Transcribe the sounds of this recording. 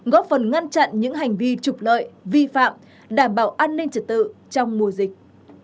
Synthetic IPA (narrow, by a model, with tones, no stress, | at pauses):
ɣɔ˨˦˥fə˨˩nŋa˧nt͡ɕa̰˧˨nɲɨ̰˧˥ŋɦa˨˩jŋ̟vi˧t͡ɕʊ˨˩k͡p̚lə̰ː˧˨jvi˧fa̰ː˧˨m | ɗaː˧˩mɓaː˨˩wʔaː˧nːï˧ŋ̟t͡ɕə˨˩t̚t̪ɨ̰˧˨t͡ɕɔ˧wŋ͡mmu˨˩əzï˨˩k̚